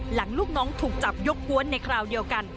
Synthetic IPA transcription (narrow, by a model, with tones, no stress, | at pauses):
la˩˦ŋluː˥˩k̚nɔː˦˥ŋt̪ʰuː˨˩k̚t͡ɕa˨˩p̚jo˦˥k̚ku˧˦˥ənːa˧jkʰɾaː˧wdi˧əwka˧n